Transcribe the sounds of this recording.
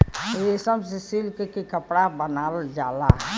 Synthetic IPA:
esəbsisilkekikəpɽabənald͡ʒalaɦɛ

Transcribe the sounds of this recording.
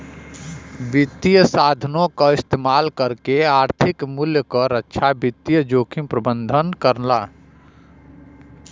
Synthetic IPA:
bit̪ːijəsaːd̪ʱənõkaɪst̪eːmaːlkəɾkeaːɾt̪ʰikmʊljəkəɾəkːʃʰabit̪ːijəd͡ʒoːkʰimpɾəbənd̪ʱənkəɾlaː

